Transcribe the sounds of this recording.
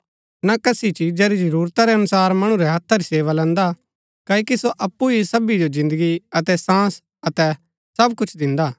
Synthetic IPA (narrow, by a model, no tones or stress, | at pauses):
nakɐsit͡ʃid͡ʒɛɾid͡ʒɐɾuːɾt̪aɾɛɐnʊsaːɾmɐɽ̃ũɾɛɦɐt̪ʰːaɾiseːʋalɛ̃ːnd̪a | kaːikisoʔɐpːuisɐbid͡ʒod͡ʒɪ̃nd̪əɡiɐt̪ɛsãːs | ɐt̪ɛ | sɐbkʊt͡ʃʰd̪ɪ̃nd̪aː